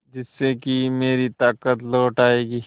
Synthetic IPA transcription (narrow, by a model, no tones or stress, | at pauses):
d͡ʒɪsːekimeːɾit̪aːkət̪lɔːʈaːeːɡiː